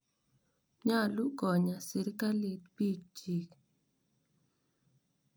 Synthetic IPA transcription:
ɲa˦˨lʊ˦ɡɔ˨ɲa˨sɪ˨ɾka˦li˦t̪̚pi˦k̚d͡ʒi˨k

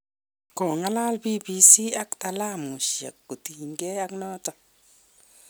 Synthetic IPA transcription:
kɔ˨ŋa˦la˦lbi˦bi˨˦si˦a˦kta˨la˦mu˨ʃja̰˨kːu˨ti˨ɲɡɛ˦a˦knɔ˦tɔ˨

